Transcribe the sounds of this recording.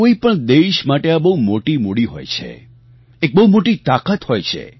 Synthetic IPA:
oipəɳd̪eʃmaʈeabəɦumoʈimuɽiɦo̰jt͡ʃʰḛ | ek̚bəɦumoʈit̪akət̪hojt͡ʃʰḛ

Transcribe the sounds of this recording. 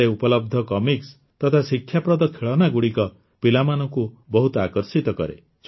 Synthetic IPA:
eupɔlɔb̚d̪ʱɔkɔmiks | t̪ɔt̪ʰasikʰːjapɾɔd̪ɔkʰeɭɔnaɡuɽikɔ | pilamanɔku | bɔɦut̪ɔakɔɾsit̪ɔkɔ̰ɾḛ | s

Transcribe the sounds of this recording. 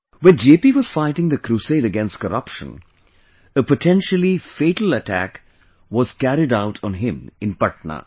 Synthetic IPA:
wɛ̃nd͡ʒepiʋɔz̥faɪʈɪ̃ŋd̪əkɾuseɪɾəɡɛ̃nst̚kəɾʌpʃə̰̃n | əpəʈʰɛ̃nʃəlifeːʈəl̩əʈʰæ̰k | ʋɔz̥kæɾɪɖaʊʈʰn̩ɦɪ̃mɪ̃npʌʈ̚na̰

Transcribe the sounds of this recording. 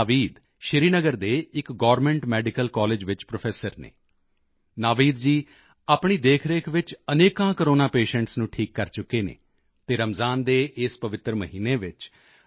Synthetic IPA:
ʋiːd̪ | ʃɪɾiːnəɡəɾd̪eːɪkɡɔːɾmɛ̃ːɳʈmɛːɖɪkəlkɔːleːd͡ʒʋɪt͡ʃpɾoːpʰɛːsəɾnḛː | naːʋiːd̪d͡ʒiː | aːpɳ̃iːd̪eːkʰɾeːkʰʋɪt͡ʃəneːkãːkəɾoːnaːpeːʃɛ̃ɳʈsnũːʈʰiːkːəɾt͡ʃʊkːeːnḛː | t̪eːɾəmzaːnd̪eːʔɪspəʋɪt̪ɾəməɦiːneːʋɪt͡ʃ

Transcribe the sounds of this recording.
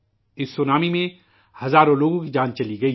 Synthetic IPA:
ɪsːoːnaːmimẽ | hɐzaːɾõloːɡõkid͡ʒãːnt͡ʃɐliɡɐiː

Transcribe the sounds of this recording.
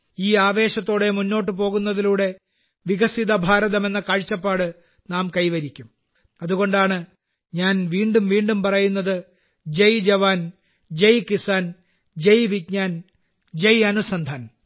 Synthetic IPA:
iːaːʋe̞ːɕɐt̪ːo̞ːɽe̞munːo̞ːʈ̬ːɨp̬o̞ːɣunːɐðiluːɽe̞ | ʋiɡɐsiðɐbʱaːɾɐðɐme̞nːɐkɐɻt͡ɕːɐpːaːɽɨ | naːmkɐjʋɐɾikʲːum | ɐðuɣo̞ɳɖaːɳɨ | ɲaːnʋiːɳɖumʋiːɳɖumpɐrɐjunːɐðɨ | d͡ʑejd͡ʑɐʋaːn | d͡ʑejkisaːn | d͡ʑejʋikɲaːn | d͡ʑejɐnusɐnd̪ʱaːn

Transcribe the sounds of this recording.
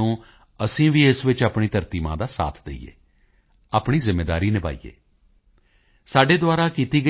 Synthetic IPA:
ũː | əsĩːʋiːɪsʋɪt͡ʃaːpɳiːt̪əɾt̪iːmã̰ːd̪aːsa̰ːt̪ʰd̪ḛḭːjḛː | aːpɳiːzɪmːeːd̪aːɾiːnɪpa̰ːḭːḛː | saːɖeːd̪ʊaːɾaːkiːt̪iːɡə

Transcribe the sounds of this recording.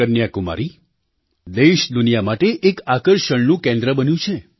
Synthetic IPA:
ənjakuma̰ɾi | d̪eʃd̪unijamaʈeʔekakəɾʃəɳnũkẽnd̪ɾəbənjũt͡ʃʰe

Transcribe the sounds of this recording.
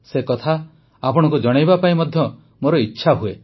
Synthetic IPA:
sekɔt̪ʰa | apɔɽ̃ɔ̃ŋkud͡ʒɔɽ̃ajbapaĩmɔd̪ʱjɔ | moɾɔitːʃʰaɦue

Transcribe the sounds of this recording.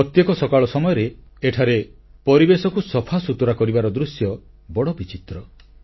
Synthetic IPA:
ɔt̪jekɔsɔkaɭɔsɔmɔjɔɾeeʈʰaɾepɔɾibesɔkusɔpʰasut̪ɔɾakɔɾibaɾɔd̪ɾusjɔ | bɔɽɔbit͡ʃit̪ɾɔ

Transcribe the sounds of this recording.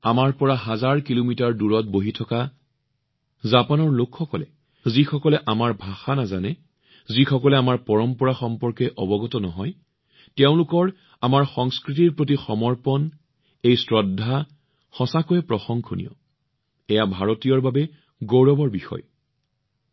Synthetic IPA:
amaɹpɔɹaɦazaɹkilomitaɹduɹɔt̚boɦitʰɔka | zapanɔɹlokʰxɔkɔlɛ | zixɔkɔlɛʔamaɹbʱaxanazanɛ | zixɔkɔlɛamaɹpɔɹɔmpɔɹaxɔmpɔɹkɛʔɔbɔɡɔtɔnɔɦɔj | tɛʊ̃lukɔɹ | amaɹxɔŋskɹitiɹpɹot̬ixɔmɔɹpɔn | ejsɹɔdʱːa | xɔsakojɛpɹɔxɔŋkʰonḭjɔ̰ | ɛjabʱaɹotijɔɹbabɛ | ɡoɹɔbɔɹbixɔ̰j

